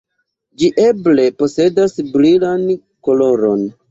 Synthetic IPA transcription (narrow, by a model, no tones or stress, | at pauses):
d͡ʒiʔe̞ble̞po̞se̞dasbɾilan | ko̞lo̞ɾo̞n